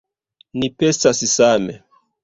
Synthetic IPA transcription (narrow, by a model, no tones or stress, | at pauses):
nipestassamḛ